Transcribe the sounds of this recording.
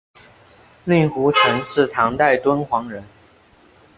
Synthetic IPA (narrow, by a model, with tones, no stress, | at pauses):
ly˥˩xu˧˥ʈ͡ʂʰɤ˧˥ŋʂɻ̩˥˩t̪ʰɑ˧˥ŋt̪a˥˩ɪt̪wə˥nxwɑ˧˥ŋɻə˧˦n